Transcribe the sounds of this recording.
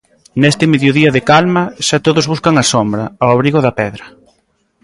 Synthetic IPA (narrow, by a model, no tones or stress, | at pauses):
nest̪ɪmeðjoðiɐðekalmɐʃat̪oðozβuskɐŋɐsombɾɐawaβɾiɣoðɐpɛðɾɐ